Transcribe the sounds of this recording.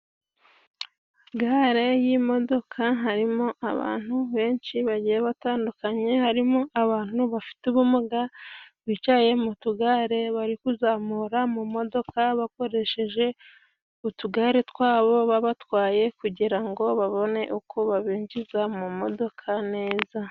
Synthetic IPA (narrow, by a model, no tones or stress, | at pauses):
ɡaɾe̞jimo̞do̞kʰaɦaɾimo̞ʔaβa̰ːn̥uβe̞ːnʃiβaɟijeβataːndukaɲe̞haɾimo̞ʔaβaːn̥huβafi̥tuβumuɡaβwit͡ʃaje̞mutuɡaːɾe̞βaɾikuzaːmuɾamumo̞do̞kaβako̞ɾe̞ʃe̞ʒe̞ | utuɡaːɾetwaːβo̞βaβatwaːje̞kuɟiɾaŋɡo̞βaβo̞ne̞ʔukʰoβaβiːɲd͡ʒizamumo̞do̞kʰane̞ːza